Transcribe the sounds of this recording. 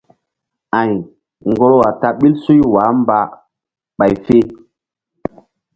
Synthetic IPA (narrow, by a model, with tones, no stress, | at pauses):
ã˨j | ŋɡo˦ɾo˦wa˨ta˨ɓi˦lsu˦jwaː˨˦mba˦ | ɓa˨jfe˦